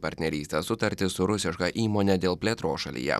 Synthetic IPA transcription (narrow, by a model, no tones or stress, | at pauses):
pɐɾʲt̪ʲnʲɛɾʲiːsʲt̪ʲesʊt̪ɐɾʲt̪ʲɪsʊɾʊsʲɪʃkɐʔiːmoːnʲɛd̪ʲeːlˠpʲlʲeːt̪ɾoːsʃɐlʲḭjɛ̰